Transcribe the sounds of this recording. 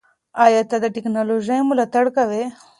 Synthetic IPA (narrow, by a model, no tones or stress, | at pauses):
ajat̪ad̪əʈɪknaloʒajmulat̪aɽkawe